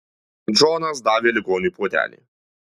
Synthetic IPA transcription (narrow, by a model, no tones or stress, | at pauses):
d͡ʒɔːnɐsd̪ɑːʋʲeːlʲɪɡɔːnʲiput̪ʲæ̰ːlʲḭ